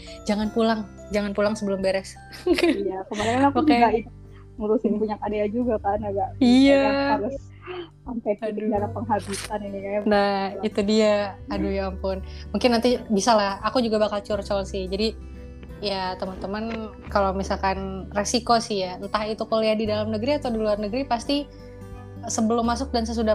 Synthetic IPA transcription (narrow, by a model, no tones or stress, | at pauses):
d͡ʒaŋanpulaŋ | d͡ʒaŋanpulaŋsəbəlʊmbeɾɛs | ijakəmalaŋalapakeai | muɾusɪnpuɲakadajad͡ʒuɡapanaɡaʔiaaaɾʊs | sampajtdid͡ʒaɾapəŋɦabisaninikaanait̪udiaːdujaŋpʊnmuŋkɪnːant̪ibisalahakud͡ʒuɡabakalt͡ʃurt͡ʃɔlsɪhd͡ʒadi | jat̪əmənt̪əman | kalawmisalkanresikosɪhjant̪ahit̪ukoleahdidalamnəɡɾiat̪awdiluarnəɡɾipast̪i | səbəlʊmːasʊk̚dans̬əsuda